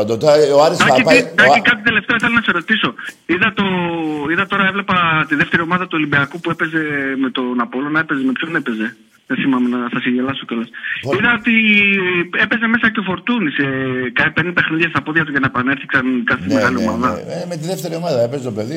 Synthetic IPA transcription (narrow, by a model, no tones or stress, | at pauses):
d̪ot̪oaɾisɐet̪ɐikɐt̪it̪ele̞ft̪eoɐθelo̞nɐseɾo̞t̪iso̞iðɐt̪o̞iðɐt̪o̞ɾɐe̞vle̞pɐt̪iðe̞ft̪e̞ɾio̞mɐðɐt̪uo̞libiɐkupue̞peze̞me̞t̪o̞napo̞lo̞nɐepe̞zeme̞pçone̞peze̞ | ðeθimɐmenɐθɐsiɲʝelɐsokelɐsiðɐot̪i | e̞pe̞ze̞me̞sɐceofo̞ɾt̪unisekɐipend̪epe̞xniðʝɐst̪ɐpoðʝɐt̪̬uʝɐnɐepɐneɾθi̥ksɐnkɐθime̞ɣɐlio̞mɐðɐmet̪iðeft̪eɾiomaðɐepezt̪opeði